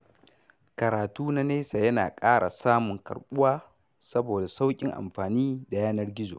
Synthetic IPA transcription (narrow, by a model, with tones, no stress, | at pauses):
kɐ˨ɾaː˨tuː˦na˦neː˦sa˨jɐ˦naː˨kʼaː˦ɽa̰˨saː˦mʊ˨ŋkɐ̰˨ɽɓʼʊ˦waː˦ | sɐ˦boː˨da˨sa˦wkʲʼɪ̰˦ŋʔa̰˨mɸaː˨niː˦da˨jaː˦nɐ˦rɡʲɪ˦zo̰ː˨